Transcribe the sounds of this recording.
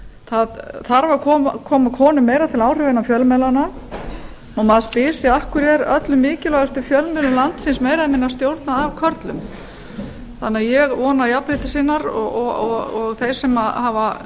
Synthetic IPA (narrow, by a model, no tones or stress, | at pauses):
θaðθaɾvakʰɔːmakʰɔːmakʰɔːnʏmːeːjɾat̪ʰɪlaːwr̥ʏɣvɪnafjœlmɛlana | ɔɣmaðspɪːsɪahkʏɾjɛɾœ̰t̪lʏmːɪːcɪlɔːɣast̪ʏfjœlmɛːlʏlant̪sɪnsmeːjɾaðɪmɪnːast̪jowɾt̪naːvkʰœɾt̪lʏm | θa̰nɪaðjɛɣvɔːnaiapɾɪt̪ɪsiːnaɾɔɔɔɣɔɣθejɾ̥sɛmahava